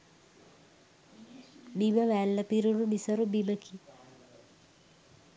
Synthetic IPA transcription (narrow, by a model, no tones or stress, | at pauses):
biməʋæːlːəpiɾuɽunisɐɾubiməkʰi